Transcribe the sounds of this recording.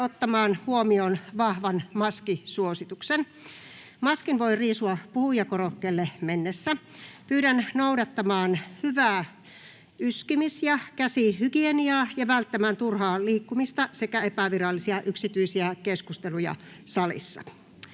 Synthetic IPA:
ot̪ːɑmɑːnhuomioːnʋɑhʋɑnmɑskisuosit̪uksen | mɑskinʋo̞iriːsuɑpuhujɑkorokːelːemenːesːæ | pyːɾænnoudɑt̪ːɑmɑːnhyʋæː | yskimisjɑkæsihyɡieniɑːjɑʋælt̪ːæmæːnt̪urhɑːliːkːumist̪ɑsekæepæʋirɑlːisiɑʔyksit̪yisiækeskust̪elujɑ̰ | sɑlḭsːɑ̰

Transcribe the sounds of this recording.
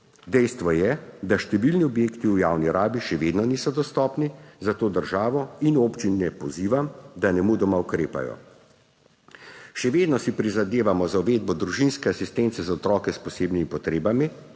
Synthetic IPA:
d̪ɛjst̪ʋɔjɛd̪aʃt̪ɛʋilniɔbjeːkt̪iujaːwniɾaːbiʃɛʋeːd̪nɔniːsɔd̪ɔst̪ɔːpnizat̪oːd̪əɾʒaːʋɔinoːpt͡ʃinɛpɔziːʋamd̪anɛmud̪ɔmaukɾḛːpa̰jɔ̰ | ʃɛʋeːd̪nɔsipɾizad̪eːʋamɔzauʋeːd̪̚bɔd̪ɾuʒinskɛasist̪ɛnt̪sɛzaɔt̪ɾɔːkɛspɔseːbnimipɔt̪ɾeːbami

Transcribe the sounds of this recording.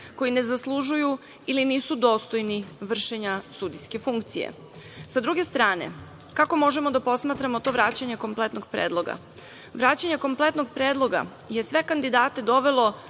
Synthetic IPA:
ko̞jine̞zaslˠuʒuju | iliniːsud̪o̞ːst̪o̞jniʋr̩ʃeɲasud̪ijske̞fuŋkt̪sijḛ | sad̪ɾuɡe̞st̪ɾaːne̞̰ | kako̞mo̞ʒemo̞d̪apo̞smaːt̪ɾamo̞t̪o̞ʋɾaːt͡ɕaɲe̞ko̞mplet̪noɡ̥̚pɾḛːd̪lˠo̞ɡa̰ | ʋɾaːt͡ɕaɲeko̞mplet̪no̞ɡ̚pɾeːd̪lˠo̞ɡa̰ | je̞sʋe̞kand̪id̪aːt̪e̞d̪o̞ʋe̞lˠo̞

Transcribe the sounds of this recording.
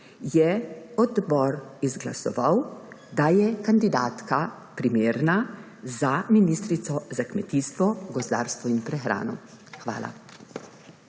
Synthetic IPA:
jɛɔd̪bɔɾizɡla̰sɔ̰ʋawd̪ajɛkand̪id̪aːt̪ka | pɾimeːɾna | zaminiːst̪ɾit̪sɔzakmɛt̪iːst̪ʋɔɡɔzd̪a̰ːɾst̪ʋɔinpɾɛxɾa̰ːnɔ | xʋa̰ːlʔa̰

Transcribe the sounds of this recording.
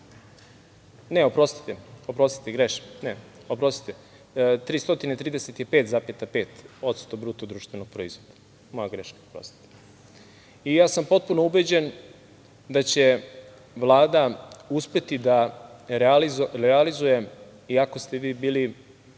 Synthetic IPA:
ne̞opɾo̞st̪i̥t̪eo̞pɾo̞st̪i̥t̪eɡɾeʃneopɾo̞st̪i̥t̪e | t̪ɾiːst̪o̞t̪inet̪ɾiːd̪eset̪jepeːt̪zapet̪ape̞ːt̪o̞t̪st̪obɾuːt̪od̪ɾuːʃt̪ʋe̞noɡ̚pɾoizʋod̪ḁ | mojaɡɾeʃkaopɾo̰st̪i̥t̪e̥ | ijaːsampo̞t̪̚punoube̞d͡ʑen | d̪at͡ɕe̞ | ʋlˠaːd̪auspe̞t̪id̪aɾealiɾealizuje̞ | iako̞st̪e̞ʋiːbiːli

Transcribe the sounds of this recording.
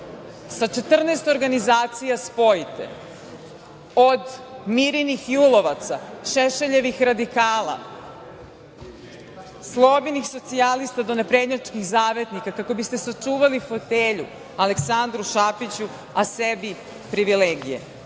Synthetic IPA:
sat͡ʃe̞t̪r̩nest̪o̞ɾɡanizaːt̪sijaspo̞jit̪ḛ | o̞d̪miɾinixjulo̞ʋat̪saʃeʃeʎe̞ʋixɾad̪ikaːla̰ | slˠo̞binixso̞t̪sialist̪ad̪o̞nepɾed̪ɲat͡ʃkixzaːʋe̞t̪nikakako̞bist̪e̞sat͡ʃuːʋalifo̞t̪eːʎṵ | ale̞ksand̪ɾuʃapit͡ɕu | asebi | pɾiʋileːɡijḛ

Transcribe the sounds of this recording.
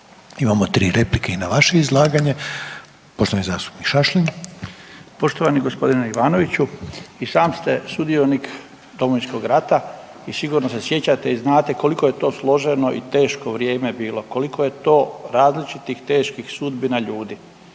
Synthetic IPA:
imamot̪ɾiːɾeplikeinaʋaʃeizlˠaːɡaɲe | poʃt̪oʋaniza̰ːst̪u̥pnikʃaʃlin | po̞ʃt̪oʋaniɡo̞spo̞d̪ineiʋaːno̞ʋit͡ɕuisaːmst̪e̞sud̪io̞nik | d̪o̞moʋinsko̞ɡɾat̪a | isiɡuɾnosesje̞t͡ɕat̪eiznaːt̪e̞ko̞liko̞je̞t̪o̞ːslˠo̞ʒenoʔḭt̪e̞ːʃko̞ʋɾje̞ːme̞biːlo̞ko̞likʰo̞je̞t̪o̞ːɾaːzlit͡ʃit̪ixt̪e̞ːʃkixsud̪binaʎuːd̪i

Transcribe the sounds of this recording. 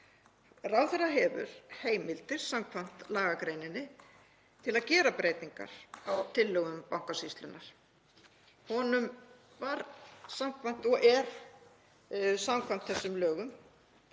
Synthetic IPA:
rawθɛraɦɛvʏ̰ɾ̥heːjmɪlt̪ɪɾ̥samkʰvan̥t̪laːɣakɾejnɪnːɪ | t̪ʰɪlaðcɛːɾapɾeːjt̪niŋka̰ɾ̥awt̪ʰɪlːœːɣʏmpawŋkasist̪lʏnːaɾ̥ | hɔnʏm | vaɾsamkʰvan̥t̪ɔɣɛɾ | samkʰvan̥t̪θɛsːʏmlœːɣʏm

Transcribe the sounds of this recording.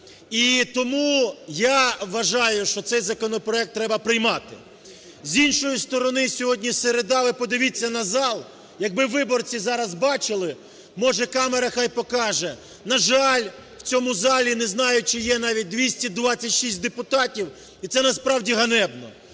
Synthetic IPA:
it̪ɔmujaʋɐʒɑjʊʃt͡ʃɔt̪sɛjzɐkɔnɔpɾɔɛk̚t̪ːɾɛbɐpɾɪjmɑt̪ɪ | zʲinʃɔjist̪ɔɾɔnɪsʲɔɦɔdʲnʲiseɾed̪ɑʋɪpɔd̪ɪʋʲit͡sʲːɐnɐzɑlˠ | jɐɡ̚bɪʋɪbɔrt͡sʲizɑɾɐzbɑt͡ʃɪlˠɪ | mɔʒɛkɑmeɾɐxɑjpɔkɑʒɛ | nɐʒɑlʲ | w̥t͡sʲɔmʊzɑlʲinɛznɑjʊt͡ʃɪjɛnɑʋʲit̚ʲd̪ʋʲisʲtʲid̪ʋɑt͡sʲɐtʲʃisʲt̚ʲd̪epʊt̪ɑtʲiw | it̪sɛnɐspɾɑwdʲiɦɐnɛbnɔ̰

